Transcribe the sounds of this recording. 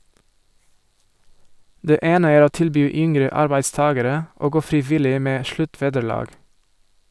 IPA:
ˈdeː ˈeːnə ˈæːɾ ˈoː ˈtɪlbyː ˈʏŋɾə ˈɑɾbæɪdˌstɑːɡəɾə ˈoː ˈɡoː fɾɪˈʋɪlɪ ˈmeː ˈʃlʉˌtʋeːdəˌɭɑːɡ

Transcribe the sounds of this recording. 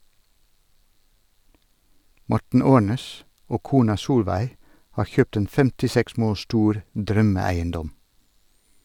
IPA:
ˈmɔʈɳ̩ ˈoːɳeːs ˈoː ˈkuːnɑ ˈsuːlʋæɪ ˈhɑːɾ ˈçøːpt ˈeːn fɛmtɪˈsɛks ˈmoːl ˈʃtuːɾ ˈdɾœməˌæɪənˌdɔm

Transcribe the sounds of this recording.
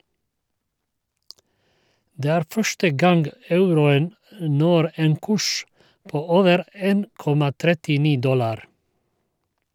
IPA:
ˈdeː ˈæːɾ ˈfœʃʈə ˈɡɑŋɡ ˈɑʉɾʊən m ˈnɔɾ ˈeːn ˈkʉʃ ˈpoː ˈoːʋəɾ ˈeːn ˈkɔmɑ ˈtɾɛtɪˌniː ˈdɔlɑɾ

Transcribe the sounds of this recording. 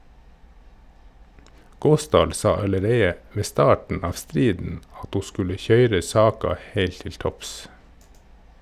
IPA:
ˈɡoːsdɑːl ˈsɑ ɑləˈɾeɪə ˈʋeː ˈstɑːʈn̩ ˈɑːʋ ˈstɾiːdn̩ ˈɑt ˈhuː ˈskʉlə ˈçœʏɾə ˈsɑːkɑ ˈheɪlt ˈtɪl ˈtɔps

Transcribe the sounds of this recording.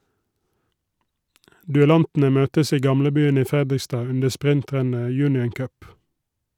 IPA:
dʉɛˈlɑntn̩ə ˈmøːtəs ˈiː ˈɡɑmləˌbyːən ˈiː ˈfɛdɪˌstɑː ˈʉndə ˈspʁɪnˌtʁɛnə ˈjʉːnɪən ˈkœp

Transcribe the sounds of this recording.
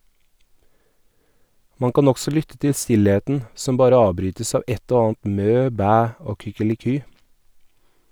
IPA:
ˈmɑŋ ˈkɑːn ˈɔɡsɔ ˈlʏtə ˈtɪ ˈstɪleːtn̩ ˈsɔm ˈbɑːɾə ˈɑːʋˌbɾyːtəs ˈɑː ˈɛt ˈoː ˈɑːɑnt ˈmøː ˈbæː ˈoː kʏkəlɪˈkyː

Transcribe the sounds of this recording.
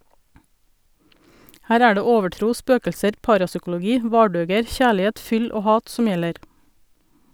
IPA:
ˈhæːɾ ˈæː ˈɖeː ˈoːʋəˌʈɾuː ˈspøːkʎsəɾ ˈpɑːɾɑsʏkʊlʊˌɡiː ˈʋɑːɖøːɡəɾ ˈçæːɭɪˌheːt ˈfʏl ˈoː ˈhɑːt ˈsʊm ˈjɛləɾ

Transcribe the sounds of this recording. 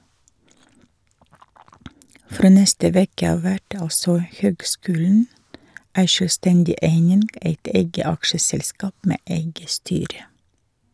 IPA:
ˈfɾoː ˈnɛstə ˈʋeːkə ˈɑːʋ ˈʋæʈ ˈɑlsɔ ˈhøːɡˌskʉːln̩ ˈæɪ ʃøːlˈstɛndɪ ˈeɪnɪn ˈeɪt ˈeɪɡə ˈɑkʃəˌsɛlˌskɑːp ˈmeː ˈʔeɪɡə ˈstyːɾə

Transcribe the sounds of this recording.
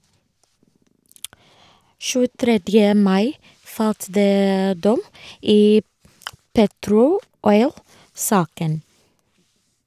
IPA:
ʃʉːəˈtɾɛdjə ˈmɑɪ ˈfɑlt ˈdeː ˈdɔm ˈiː ˈpeːtɾʊ ˈɔʏlˌsɑːkən

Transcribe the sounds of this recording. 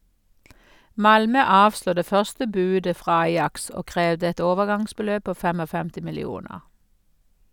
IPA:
ˈmɑlmœ ˈɑːʋsluː ˈdeː ˈfœʁstə ˈbʉːdə ˈfʁɑː ˈɑjɑks ˈoː ˈkʁeːʋdə ˈɛt ˈoːʋəˌɡɑŋsbəˌløːb ˈpoː ˈfɛmɔˌfɛmtɪ mɪlɪˈuːnəʁ

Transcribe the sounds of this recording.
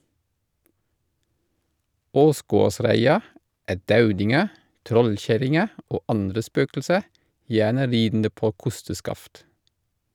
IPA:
ˈoːˌsɡoːˌsɾæɪɑ ˈæː ˈdɑʉdɪŋə ˈtɾɔlˌçæɾɪŋə ˈoː ˈɑndɾə ˈspøːkl̩sə ˈjæːnə ˈɾiːdn̩də ˈpoː ˈkʊstəˌskɑft

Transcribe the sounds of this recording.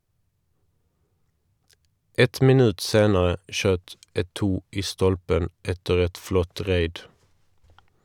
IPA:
ˈɛt mɪˈnʉːt ˈseːnəʁə ˈʃøːt ʔɛˈtuː ˈʔiː ˈstɔlpən ˈʔɛtəʁ ˈɛt ˈflɔt ˈʁeɪd

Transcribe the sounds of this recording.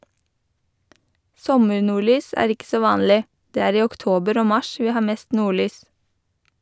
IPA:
ˈsɔməɹnuːˌɭyːs ˈæːɾ ˈɪk ˈsoː ˈʋɑːnlɪ ˈdeː ˈæːɾ ˈiː ɔkˈtoːbəɾ ˈoː ˈmɑʃ ˈʋiː ˈhɑː ˈmeːst ˈnuːˌɭyːs

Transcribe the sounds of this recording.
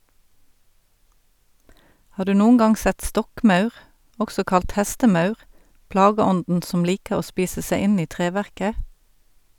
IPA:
ˈhɑːʁ ˈdʉː ˈnuːŋ̍ ˈɡɑŋ ˈsɛt ˈstɔkˌmœʉʁ ˈʔɔksɔ ˈkɑlt ˈhæstəˌmœʉʁ ˈplɑːɡəˌɔndn̩ ˈsɔm ˈliːkəʁ ˈoː ˈspiːsə ˈseɪ ˈɪn ˈiː ˈtʁeːʋæʁkə

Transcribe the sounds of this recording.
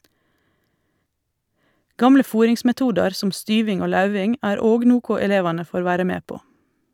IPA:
ˈɡɑmlə ˈfuːɾɪŋsmɛˌtuːdɑɾ ˈsɔm ˈstyːʋɪŋ ˈoː ˈlɑʉʋɪŋ ˈæːɾ ˈoːɡ ˈnuːkʊ ɛˈleːʋɑnə ˈfoːɾ ˈʋæːɾə ˈmeː ˈpoː

